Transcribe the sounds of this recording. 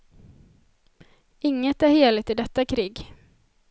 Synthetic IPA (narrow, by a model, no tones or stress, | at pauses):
ɪŋːət̪æɾheːlɪt̪ɪd̪ɛt̪ːakʰɾiːɡ